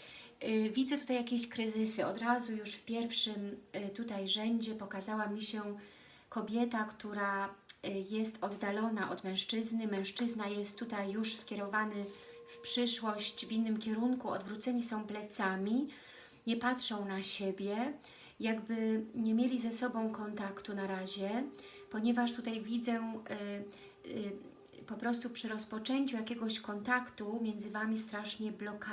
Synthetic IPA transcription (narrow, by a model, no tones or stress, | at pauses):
vʲid̪zɛt̪ut̪ajakʲeɕkɾɘzɘsɘɔd̪ɾazujuʂfpʲjɛɾfʂɘmt̪ut̪ajʐɛɲd͡ʑɛpɔkazawamʲiɕɛ | kɔbʲjɛt̪akt̪uɾa | jɛst̪ɔd̪ːalɔnaʔɔd̪mɛ̃w̃ʂt͡ʂɘznɘmɛ̃w̃ʂt͡ʂɘznajɛst̪ːut̪ajːuʂskʲɛɾɔvanɘ | fpʂɘʂwɔɕt͡ɕvʲinːɘmkʲɛɾuŋkuɔ̰d̪vɾut̪sɛɲisɔ̃w̃plɛt̪samʲi | ɲɛpatʂɔ̃w̃naɕɛbʲjɛ | jaɡbɘɲɛmʲjelʲizɛsɔbɔ̃w̃kɔnt̪akt̪unaɾaʑɛpɔɲɛvaʂt̪ut̪ajvʲid̪zɛ | pɔpɾɔst̪upʂɘɾɔspɔt͡ʂɛɲt͡ɕujakʲɛɡɔɕkɔnt̪akt̪umʲjɛnd̪zɘvamʲist̪ɾaʂɲɛblɔka